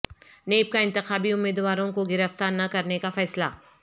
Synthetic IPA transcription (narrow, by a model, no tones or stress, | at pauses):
neːb̚kaɪ̃nt̪ɪxaːbiʊmːeːd̪ʋaːɾõkoɡɪɾəft̪aːɾnɐkɐɾnekafɛːsla̰ː